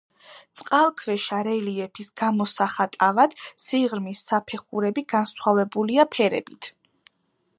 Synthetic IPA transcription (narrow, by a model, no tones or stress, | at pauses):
t̪sʼqʼalˠkʰvɛʃaɾɛliɛpʰisɡ̥amɔsaχat̪ʼavad̪̥siʁɾmisːapʰɛχuɾɛbiɡansχavɛbuliapʰɛɾɛ̰bit̪ʰ